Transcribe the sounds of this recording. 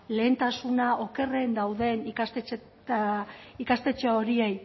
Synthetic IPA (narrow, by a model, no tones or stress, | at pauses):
le̞ːnt̪asunaʔo̞ke̞re̞nd̪awðe̞nikase | ikast̪e̞t͡ʃeo̞ɾiej